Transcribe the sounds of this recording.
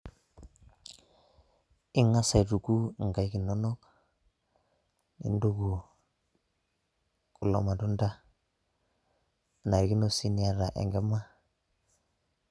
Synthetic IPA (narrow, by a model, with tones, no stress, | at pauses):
i˦ŋa˦sa˨jtu˨ku˦˨ŋɡa˨jki˨nːo˦no˦k | nḭ˨ndo˦ɡu˨ | ku˨lo̰˨ma˨tu˦nda˦ | na˨ɾki˦no˦si˦ni˦a˦ɾa˨ʔḛ˨ŋɡe˦ma˦